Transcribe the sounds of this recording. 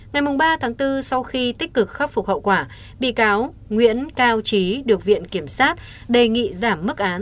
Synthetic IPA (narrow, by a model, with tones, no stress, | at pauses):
ŋa˨˩jmʊ˨˩ŋ͡mɓaː˧t̪ʰaː˨˦ŋt̪ɨ˧sa˧wxi˧t̪i˦˥k̟̚kɨ˨˩k̚xə˦˥p̚fʊ˨˩k͡p̚hə̰˧˨wkwaː˧˩ | ɓḭ˧˨kaː˨˦w | ŋwḭ˧˥ənkaː˧wt͡ɕi˨˦ɗɨ˨˩ək̚vḭ˧˨ənki˧˩əmsaː˦˥t̚ | ɗe˨˩ŋḭ˧˨zaː˧˩mːɨ˦˥k̚ʔaː˨˦n